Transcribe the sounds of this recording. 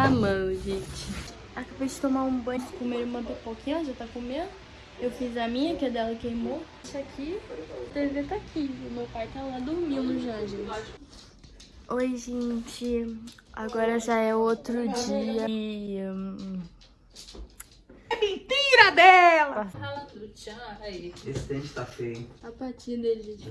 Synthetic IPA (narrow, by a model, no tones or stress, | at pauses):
amɐ̃wʒẽt͡ʃɪ | akabejd͡ʒɪt̪õmaɾũbɐ̃d͡ʒɪ̥kõmeɾumɐ̃pepokĩʒat̪akõmẽd̪ʊ | ewfizɐmĩɲɐkɛd̪ɛlɐkejmo | sakʰit̪ezet̪akʰiʊmewpajt̪alad̪ʊɾmĩwmʊʒaʒẽt͡ʃɪ | ojʒẽt͡ʃɪa̰ɡɔɾɐʒaɛʊot̪ɾʊd͡ʒiɐ | mẽnt̪iɾɐd̪ɛlɐɐatɾaiesɪ̥t̪ẽt͡ʃɪ̥t̪afejapaɾt͡ʃiɾd̪ele